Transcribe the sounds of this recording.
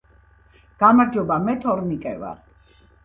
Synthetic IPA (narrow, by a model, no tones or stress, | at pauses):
ɡ̥amaɾd͡ʒɔbamɛt̪ʰɔɾnikʼɛva̰ɾ